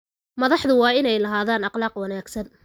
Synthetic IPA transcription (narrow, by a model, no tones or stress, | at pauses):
mɐðɑħðʊwɑːɪnɛjlɐɦaːðaːnɑqlɑːqwɑnaːɡsɐn